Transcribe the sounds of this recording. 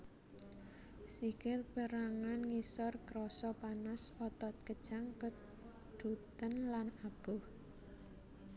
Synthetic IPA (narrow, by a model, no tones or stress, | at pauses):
sikɪt̪pəɾaŋanŋisɔrkɾɔsɔpanasɔt̪ɔt̪̚kəd̥ʒ̥aŋkə | d̪̥ut̪ənlanab̥ʊh